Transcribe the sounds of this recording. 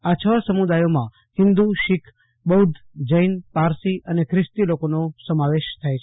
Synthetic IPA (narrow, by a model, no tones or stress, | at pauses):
at͡ʃʰəsəmud̪ajomã̰ | hɪ̃nd̪uʃɪkʰ | bəɦud̪ | d͡ʒəjnpaɾsiʔənekʰɾɪst̪ilokonosəmaʋeʃt̪ʰajt͡ʃʰ